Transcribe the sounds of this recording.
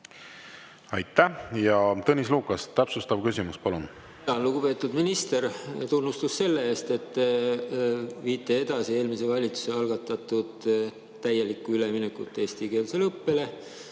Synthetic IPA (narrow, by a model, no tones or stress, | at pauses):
ɑjt̪ːæjɑt̪ɤnʲis̬luːkˑɑst̪ːæpsust̪ɑbkysimuspɑlun | ɑnluɡ̥upe̞ːt̪ːud̪minist̪e̞rt̪unːust̪usːe̞lːe̞eːst̪e̞t̪ː | viːt̪ːˑee̞d̪̥ɑsie̞ːlmise̞vɑlʲit̪su̥se̞ɑlɡ̥ɑt̪ːˑɑt̪ːˑud̪̥ | t̪æje̞likːˑuyle̞minekːˑut̪ːˑeːst̪ike̞ːlse̞lɤpːe̞le̞